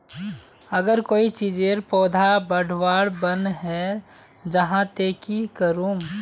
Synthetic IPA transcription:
əɡəɾkoːit͡ʃiːd͡ʒeɾpɔːd̪ʱabəɖʱwaːɽbənɦɛ | d͡ʒəɦãt̪eːkikəɾũ

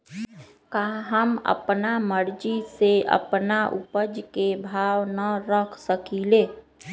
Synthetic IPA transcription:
kaɦəmə̰pnaməɾd͡ʒiseə̰pnaʔupəd͡ʒkebʱawnəɾəkʰsəkileː

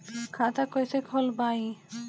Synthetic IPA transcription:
kʰãt̪akojsekʰolbaĩ

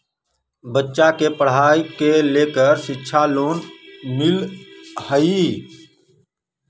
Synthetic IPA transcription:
bətːʃakepəɽ̤aːikeleːkəɾʃɪtːʃʰaloːnmɪlhəi

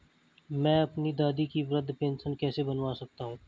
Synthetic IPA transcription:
mɛ̃ːɐpnid̪aːd̪ikiʋɾɐd̪ʱpẽːnsənkɛːsebɐnʋasɐk̚t̪aɦũ

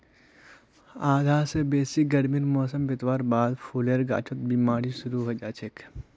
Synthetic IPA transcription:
aːd̪ʱaːsebeːsik̚ɡɐɾmiɾmɔːsəmbɪt̪ʋaːɾbaːd̪pʰuːleɾɡa̰ːt͡ʃʰot̪̚bimaːɾisʊɾuɦod͡ʒaːt͡ʃʰek

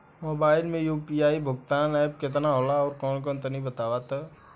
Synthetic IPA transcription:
moːbaːɪlmẽjuːpiaːibʱʊɡt̪aːnaːjb̚ket̪̬naɦolaɔːɾkɔːnk̬ɔːnt̪ənibɐt̪aːʋat̪ə

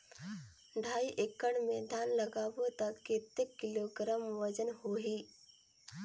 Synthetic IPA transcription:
ɖʱaiʔekəɳmed̪ʱanləɡaʋot̪əkːet̪ekːiloɡɾamʋəd͡ʑənhoɦi

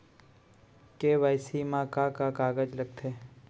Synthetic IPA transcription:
keʋajsimãkãkakaːɡəd͡ʒləɡ̚t̪ʰeː

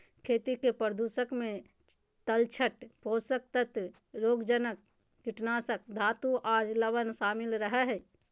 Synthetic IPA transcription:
kʰeːt̪ikepəɾd̪uːsəkmẽ | t̪əlt͡ʃʰəʈpoːsək̚t̪ət̪ | ɾoːɡd͡ʒənək̚ː | ɪʈnaːsək̚d̪ʱaːt̪uʔɔːɾləʋənʃaːmɪlɾəɦɛɦɛ

